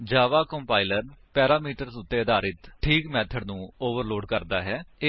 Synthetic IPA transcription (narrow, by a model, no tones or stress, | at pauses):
d͡ʒaːʋaːkəmpaːɪləɾpɛːɾaːmiːʈəɾsʊt̪ːeːəd̪aːɾɪt̪ʈʰiːkmɛːt̪ʰəɖnũːoːʋəɾloːɖkəɾd̪aːɦɛː